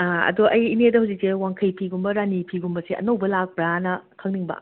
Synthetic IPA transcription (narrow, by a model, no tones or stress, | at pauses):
aɐ̰duʔɐjinedɐhawzik̚sewaŋkʰɐjpʰiɡumbɐɾanipʰiɡumbɐseʔɐ̰nowbɐlak̚pɾanɐkʰɐŋniŋbɐ̰